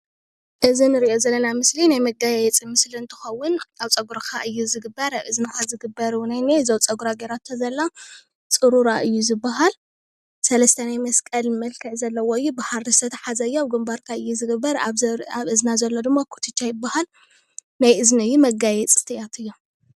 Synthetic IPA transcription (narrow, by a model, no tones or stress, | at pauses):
ʔɨzinɨɾiʔo̞zɐlːɐnamɨslinajmɐɡajɛt͡sʼimɨsliɨnt̪ʰɨ̥xɐwːʊnaβt͡sʼɐɡuɾakʰaʔɨjːuzɨɡɨbːɐɾaβɨznɨkazɨɡɨbːɐɾwnajnezowt͡sʼɐɡuɾaɡeɾat̪ʰːɐzɐlːa | t͡sʼɨɾuɾaʔɨjːuzɨbːaɦal | sɐlɐst̪ʰɐnajmɐskʼɐlmɐlkʰɨʕzɐlːɐwoɨjːubaħaɾɨst̪ʰɐt̪ʰɐ̥ħazɐɨjːoɡɨmbaɾkʰaɨjːuzɨɡɨbːɐɾaβaβɨznazɐlːo̞d̪ɨmːakʰu̥t̪ʰɨt͡ʃːajɪbːahal | najʔɨznɨjːumɐɡajɛt͡sʼɨ̥t̪ʰɨjat̪ʰɨjːo